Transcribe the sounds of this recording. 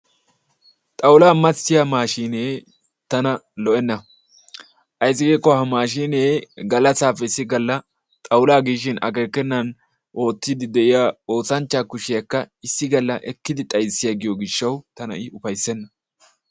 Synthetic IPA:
t̪ʼɐwʊlaːmɐt͡sːɪjamaːʃiːneː | t̪ɐnɐlɔʔɛnːɐ | ʔɐjsɪɡeːkːɔhɐmaːʃiːneːɡɐlɐsaːfɛɪsːɪɡɐlːɐ | t̪ʼɐwlaːɡiːʃ̬ɪnɐ̰keːkːɛnːɐn | ʔo̞ːt̪ːɪd̪ɪd̪ɛʔɪjaːo̞ːsɐnt͡ʃːaːkʊʃɪjɐkːɐɪsːɪɡɐlːɐʔɛkːɪd̪ɪt̪ʼɐjsɪjaɡɪjoɡɪʃːɐwt̪ɐnɐ̰ʔɪʊfɐjsːɛnːɐ

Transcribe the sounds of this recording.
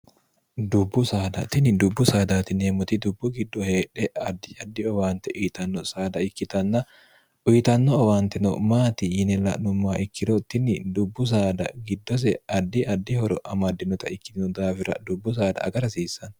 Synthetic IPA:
d̪ʊbːʊsaːd̪ɐ̰t̪ɪnɪd̪ʊbːʊsaːd̪aːt̪ɪneːmʊt̪ɪd̪ʊbːʊɡɪd̪ːɔheːᶑɛɐd̪ːɪɐd̪ːɪɔwaːnt̪ɛʔʊjt̪ɐnːɔsaːd̪ɐɪkːɪt̪ɐnːɐ | ʔʊjt̪ɐnːɔɔwaːnt̪ɛnɔ̰maːt̪ɪjɪnɛlɐ̰ʔnʊmːaːʔɪkːɪd̪ɔt̪ːɪnːɪd̪ʊbːʊs̬aːd̪ɐ̰ɡɪd̪ːɔs̬ɛɐd̪ːɪʔɐd̪ːɪhɔɾɔʔɐmɐd̪ɪnɔt̪ɐɪkːɪt̪ɪnɔd̪aːfɪɾɐ̰d̪ʊbːʊs̬aːd̪ɐ̰ʔɐ̰ɡɐɾɐsiːsːɐn

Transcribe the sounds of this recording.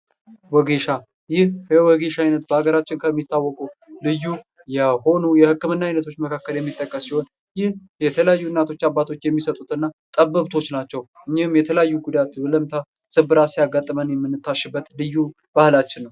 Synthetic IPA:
wɔɡe̞ʃa | jɪhjɛwɔɡe̞ʃajnət̪bəaɡəɾat͡ʃːɪnkʰəmːit̪ʰːawːɔkʼulɨjːu | jɛho̞nujɛhɨkːɨmɨnːaajnət̪ʰo̞t͡ʃːməkʰakːəljɛmːit̪ʼːəkʼːəsːiho̞n | jɪh | jɛt̪ʰələjajːunːat̪ʰo̞t͡ʃːabːat̪ʰo̞t͡ʃːjɛmːisət̪ʼut̪ɨnːat̪ʼəbəβt̪ʰo̞t͡ʃːnat͡ʃːɛwʔɨɲːɪhɨmjɛt̪ʰələjajːuɡud̪at̪bələmt̪ʰa | sɨbɨɾasijaɡat̪ʼːəmənjɛmːɨnːɨt̪ʰːaʃɪbːət̪lɨjːu | b̥ahɨlat͡ʃːɪnːəw

